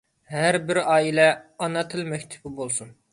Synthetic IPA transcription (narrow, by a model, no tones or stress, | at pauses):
ɦæɾbɪɾɑːilɛɑnɑt̪ʰɨlˠmɛkʲt̪ʰɪ̥bɪbolˠsun